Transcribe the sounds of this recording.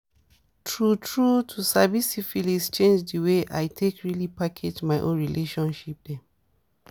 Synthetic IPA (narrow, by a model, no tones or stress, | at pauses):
tʰɹutʰɹutʰusabisifilist͡ʃẽnd͡ʒdəweʔa̰jtʰekɹilipakʰed͡ʒmajʔõ̰nɹilʔeʃɔ̃nʃip̚dɛ